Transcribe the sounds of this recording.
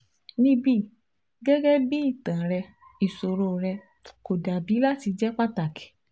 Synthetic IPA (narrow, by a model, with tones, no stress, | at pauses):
nĩ˦bi˦˨ | ɡɛ˦ɡɛ˦bi˦i˦˨tã˨ɾɛ˧ | i˨so˨ɾo˧˨ɾɛ˧ | ko˨da˨bi˨˦la˦ti˧d͡ʒɛ˦k͡pa˦ta˨ki̥˨˦